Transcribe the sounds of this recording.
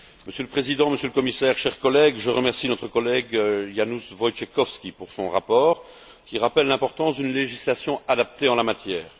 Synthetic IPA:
məsjøləpχezid̪ɑ̃məsjøləkɔmisɛːʁʃɛʁkɔlɛɡʒəʁəmɛʁsinɔt̪χəkɔlɛɡjanusvɔjt͡ʃekɔfskʲipuʁsɔ̰̃ʁapɔːʁ | kʲiʁapɛlːɛ̃pɔʁt̪ɑ̃sd̪ynleʒislasjɔ̃ad̪ap̚t̪eɑ̃lamat̪jɛːʁ

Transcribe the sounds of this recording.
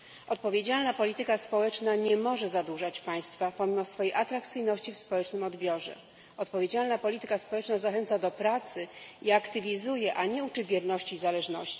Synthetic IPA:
ɔt̪̚pɔvʲjed͡ʑalnapɔlʲit̪ɘkaspɔwɛt͡ʂnaɲɛmɔʐɛzad̪uʐat͡ɕpaj̃st̪fapɔmʲimɔsfɔjejʔat̪ɾakt̪sɘjnɔɕt͡ɕifspɔwɛt͡ʂnɘmɔd̪bʲjɔʐɛ̰ | ɔt̪pɔvʲjed͡ʑalnapɔlʲit̪ɘkaspɔwɛt͡ʂnazaxɛnt̪sad̪ɔpɾat̪sɘiakt̪ɘvʲizujɛʔaɲɛut͡ʂɘbʲjɛɾnɔɕt͡ɕiːzalɛʐnɔɕt͡ɕi̥

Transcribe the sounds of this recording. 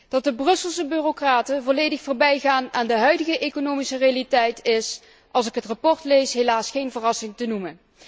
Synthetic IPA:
d̥ɑt̚dəbrɵsəlˠsəbyrokraːtənvɔlejdəxfoːrbɛjɣaːnaːndəɦœɥdəɣəʔejkonowmisərejalitɛjtʰɪs | ʔɑlˠsɪkɦətrapɔɹtlejsɦelaːsχejnvərɑsɪŋtənumən

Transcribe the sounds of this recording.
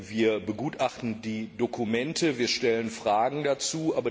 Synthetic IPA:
viːɐbəɡuːtʔaχtn̩diːdokʰumɛntʰəviːɐʃtɛlənfʁ̥aːɡŋ̩dat͡suːʔaːbɐ

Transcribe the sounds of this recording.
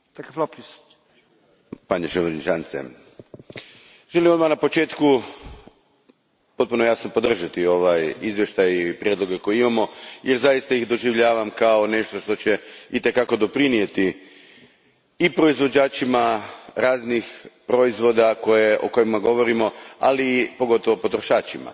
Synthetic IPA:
t̪akafop | paɲeʃeʋenit͡ʃansḛ | ʒ̥elimod̪manapo̞t͡ʃe̞ːt̪ku | po̞t̪̚puno̞jasno̞po̞d̪r̩ʒat̪io̞ʋajizʋje̞ʃt̪ajipɾjed̪lˠo̞ɡe̞ko̞jeiimamo̞jeɾzajist̪aiɣd̪o̞ʒiʋʎaːʋamkao̞ne̞ʃt̪o̞ʃt̪o̞t͡ɕeit̪e̞kako̞d̪o̞pɾinije̞t̪i | ipɾo̞izʋo̞d͡ʑaːt͡ʃimaɾaːznixpɾo̞izʋo̞ːd̪ako̞jeʔo̞̰ko̞jimaɡo̞ʋo̞ɾimo̞a̰lipo̞ɡo̞t̪o̞ʋopo̞t̪ɾoʃaːt͡ʃima̰

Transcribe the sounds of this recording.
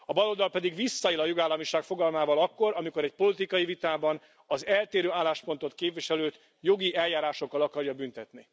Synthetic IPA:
ɒbɒlo̞ld̪ɒlpɛd̪iɡʋisːɒilɒjoɡaːlːɒmiʃaːkfo̞ɡɒlmaːvɒlɒkːo̞ɾɒmiko̞ɾɛc̚po̞lit̪ikɒjivit̪aːbɒn | ɒzɛlt̪eːɾøːaːlːaːʃpo̞nt̪o̞t̪keːpviʃɛløːt̪ | jo̞ɡiʔɛljaːɾaːʃo̞kːɒlɒkɒɾjɒbynt̪ɛt̪ni

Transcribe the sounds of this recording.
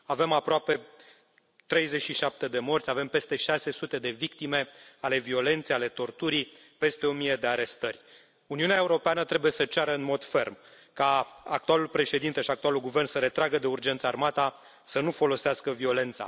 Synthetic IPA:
ave̞mapɾoape | t̪ɾe̞jze̞t͡ʃʃiʃap̚t̪e̞d̪e̞mo̞rt̪sʲave̞mpe̞st̪e̞ʃase̞sut̪e̞d̪e̞vikt̪ime̞ale̞vio̞le̞nt̪seale̞t̪o̞rt̪uɾi | pe̞st̪e̞o̞mijed̪e̞aɾe̞st̪ərʲ | uniunaeuɾo̞peanət̪ɾe̞buje̞sət͡ʃaɾəɨnmo̞d̪fe̞rm | kaak̚t̪ualulpɾe̞ʃe̞d̪int̪e̞ʃiak̚t̪ualulɡuve̞rnsəɾe̞t̪ɾaɡəd̪e̞urd͡ʒe̞nt̪səarmat̪a | sənufo̞lo̞seaskəvio̞le̞nt̪sa̰

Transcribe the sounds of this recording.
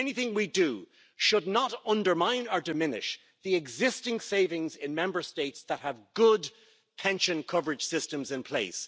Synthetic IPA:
ɛniθɪ̃ŋwidə | ʃʊdⁿnəɾʌ̃ndə˞mãɪ̃nə˞dɨmɪ̃nɪ̰ʃ | ðiɨɡzɪstɪ̃ŋseɪvɪ̃ŋzɪ̃nmɛ̃mbə˞steɪtsðət̚həvɡʊd | pʰɛ̃nʃɨ̃nkʰʌvə˞ɨd̥ʒ̥sɪstə̃mzɨ̃npʰl̥eɪs

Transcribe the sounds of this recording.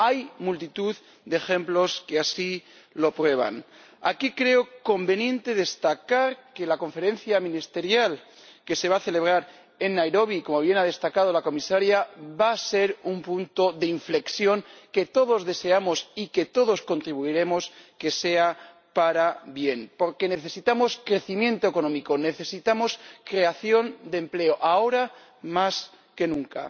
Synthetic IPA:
ajmult̪it̪uð | d̪exe̞mplo̞ske̞asi | lo̞pɾwe̞β̞a̰n | a̰kikɾe̞oko̞mbe̞njẽ̞nt̪e̞ðe̞st̪akaɾke̞lako̞ɱfe̞ɾe̞nθjamĩnist̪e̞ɾjal | ke̞se̞β̞aθe̞le̞β̞ɾaɾ | e̞nːajɾo̞β̞iko̞mo̞βje̞nað̞e̞st̪akað̞o̞lako̞misaɾjaβase̞ɾumpunt̪o̞ðeiɱfle̞ksjo̞ŋke̞t̪o̞ð̞o̞zðe̞se̞amo̞sike̞t̪o̞ð̞o̞sko̞nt̪ɾiβuiɾe̞mo̞ske̞se̞a | paɾaβje̞npo̞ɾke̞ne̞θe̞sit̪amo̞skɾe̞θimjẽ̞nt̪oe̞ko̞nõ̞mikone̞θe̞sit̪amo̞skɾe̞aθjo̞nd̪e̞mple̞oʔao̞ɾa | mas | ke̞nũŋka̰

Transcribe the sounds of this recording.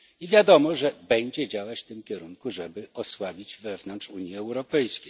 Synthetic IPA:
ivʲjad̪ɔmɔʐɛbɛɲd͡ʑɛd͡ʑawat͡ɕft̪ɘmkʲɛɾuŋkuʐɛbɘɔswabʲid͡ʑvɛvnɔntʂuɲjiɛwɾɔpɛjskʲej

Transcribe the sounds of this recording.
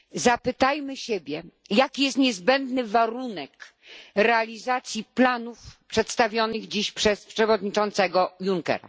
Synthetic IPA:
zapɘt̪ajmɘɕebʲjɛ | jakʲijɛst̪ɲɛzbɛnd̪nɘvaɾunɛk | ɾɛalʲizat̪sʲjiplanufpʂɛt̪st̪avʲjɔnɘɣd͡ʑiɕpʂɛspʂɛvɔd̪ɲit͡ʂɔnt̪sɛɡɔjuŋkɛ̰ɾa̰

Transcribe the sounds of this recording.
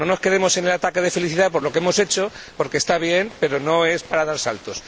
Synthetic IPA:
no̞no̞ske̞ðe̞mo̞se̞nelat̪ake̞ð̞e̞fe̞liθiðapo̞ɾlo̞keemo̞se̞t͡ʃo̞po̞ɾkeːst̪aβje̞mpe̞ɾo̞no̞e̞spaɾaðaɾsa̰lt̪o̞s

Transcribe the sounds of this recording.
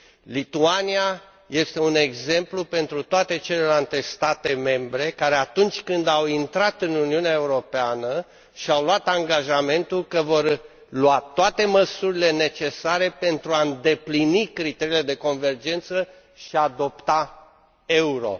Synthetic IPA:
lit̪uania | je̞st̪e̞une̞ɡze̞mplupe̞nt̪ɾut̪oat̪e̞t͡ʃe̞le̞lalt̪e̞st̪at̪e̞me̞mbɾe̞kaɾeat̪unt͡ʃʲkɨnd̪awint̪ɾat̪ɨnuniuneaeuɾo̞peanə | ʃiawluat̪aŋɡaʒame̞nt̪ulkəvo̞r | luat̪oat̪e̞məsuɾile̞ne̞t͡ʃe̞saɾe̞pe̞nt̪ɾuaɨnd̪e̞plinikɾit̪e̞ɾile̞d̪e̞ko̞nve̞rd͡ʒe̞nt̪sə | ʃiad̪o̞pt̪a | e̞uɾo̞̰

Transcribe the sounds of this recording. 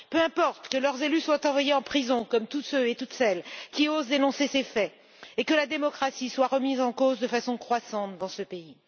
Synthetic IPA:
pøɛ̃pɔʁt̪kəlœʁzelyswat̪ɑ̃vwajeɑ̃pχizɔ̃kɔmt̪ut̪søet̪ut̪sɛlkʲiozd̪enɔ̃sesefɛ | ekəlad̪emɔkχasiswaʁəmizɑ̃kozd̪əfasɔ̃kχwasɑ̃t̪d̪ɑ̃səpei

